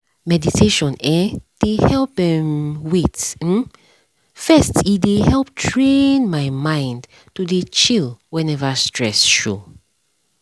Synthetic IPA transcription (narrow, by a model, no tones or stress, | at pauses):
mɛditʰeʃɔ̃nɛd̥ehɛlp̚dɛ̃mwet̩ | fɛstidehɛlptʰɹẽnmaɪmãɪ̃nd | tudet͡ʃilwɛ̃nɛvastʰɹɛ̰sʃo̰